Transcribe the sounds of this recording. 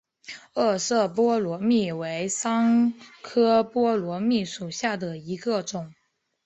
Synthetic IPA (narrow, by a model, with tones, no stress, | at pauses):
ɤ˥˧sɤ˥˩pwɔ˥lwɔ˧˥mi˥˩we˧˥ɪsɑ˥ŋkʰɤ˥pwɔ˥lwɔ˧˥mi˥˩ʂu˨˩ɕja˥˩d̪ə˩i˧˥ɡə˧ʈ͡ʂʊ˨˩˦ŋ